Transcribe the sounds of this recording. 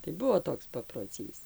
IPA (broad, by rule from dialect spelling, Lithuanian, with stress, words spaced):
tɐɪ ˈbuɔ ˈtoːks pɐproːˈt͡sʲiːs